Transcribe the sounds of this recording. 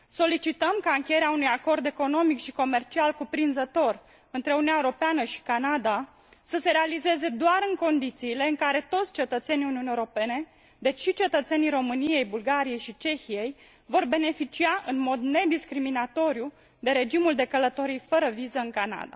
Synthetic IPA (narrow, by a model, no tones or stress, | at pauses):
so̞lit͡ʃit̪əmkaɨŋkʲejeɾeaunujako̞rd̪e̞ko̞no̞mikʃiko̞me̞rt͡ʃialkupɾinzət̪o̞r | ɨnt̪ɾe̞oununaeoɾo̞peanəʃi̥kanad̪a | səse̞ɾe̞alize̞ze̞d̪oaɾɨŋko̞nd̪it̪siːle̞ɨŋkaɾe̞t̪o̞t̪sʲt͡ʃe̞t̪ət̪se̞nijuniunjeoɾope̞ne̞ | d̪e̞t͡ʃʲʃit͡ʃe̞t̪ət̪se̞nijɾo̞mɨnije̞jbulɡaɾije̞jʃit͡ʃe̞çije̞j | vo̞rbe̞ne̞fit͡ʃiaʔɨnmo̞d̪ne̞d̪iskɾiminat̪o̞ɾju | d̪e̞ɾe̞d͡ʒimuld̪e̞kələt̪o̞ɾijfəɾəvizəɨŋkana̰d̪a̰